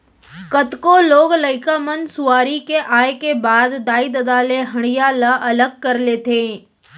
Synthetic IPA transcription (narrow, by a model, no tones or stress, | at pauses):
kɐt̪koloːɡləɪkamənsʊaːɾikeʔaːekebaːd̪ːaːɪd̪ɐd̪aːleɦɐɽ̃ɪjalaʔɐləɡ̚kɐɾleːt̪ʰẽː